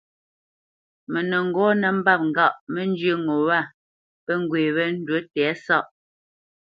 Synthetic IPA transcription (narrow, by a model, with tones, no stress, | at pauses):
mɛ˨nə˨ŋ̩˨ɡɔ˦nə˨m̩˦ba˦˨p̚ŋ̩˨ɡa˦˨ʔmə˦n˦d͡ʒjə˦ŋo˨wa˦˨ | pɛ˦ŋ˦ɡweː˨βɛ˦n̩˦dwə˦tɛ˨˦sa˦˨ʔ